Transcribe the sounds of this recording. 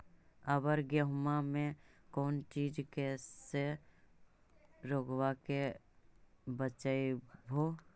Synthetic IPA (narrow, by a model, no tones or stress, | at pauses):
əbəɾɡəɦmamẽkɔːnt͡ʃiːd͡ʒkɛse | ɾoːɡwake | bət͡ʃaebʱoː